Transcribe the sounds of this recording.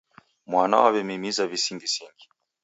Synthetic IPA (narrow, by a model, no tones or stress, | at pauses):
mwana̰wavɛmimizavisiŋɡisiŋɡi